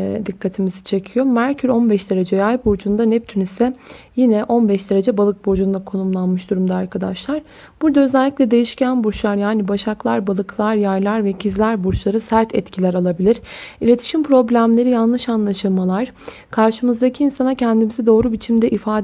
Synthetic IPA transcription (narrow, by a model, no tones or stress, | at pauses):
d̪ikʰːat̪ʰimizit͡ʃʰe̞cʰijo̞mæɾcʰyɾo̞nbɛʃd̪e̞ɾe̞d͡ʒɛjajbuɾd͡ʒund̪anɛp̚t̪ʰynysɛjinɛʔo̞nbɛʃd̪e̞ɾe̞d͡ʒɛbalˠɯk̚bod͡ʒund̪akʰo̞numlˠanmɯʃd̪uɾumd̪aaɾkʰad̪a̰ʃlˠaɾ̥ | b̥uɾd̪aøzɛlʲːicʲlʲɛd̪e̞jiʃcʰænbuɾt͡ʃlˠaɾjaːnibaʃaklˠaɾbalˠɯklˠaɾjajlʲˠaɾvɛcʰizlʲæɾbuɾt͡ʃlˠaɾɯsæɾt̪ʰɛt̪cʰilʲæɾalˠabilʲiɾilʲe̞t̪ʰi̥ʃimpʰɾo̞blʲæmlʲe̞ɾijanlˠɯʃanlˠaʃɯlˠmalˠaɾ̥ | kʰaɾʃɯmɯzd̪acʰiːnsanacʰɛnd̪imizɛd̪o̞ːɾubit͡ʃʰimd̪ɛʔifaːd̪